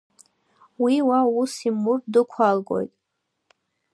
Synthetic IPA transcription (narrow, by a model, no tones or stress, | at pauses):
wiwausimʊrdɨkʷʰalɡo̞̰jtʼ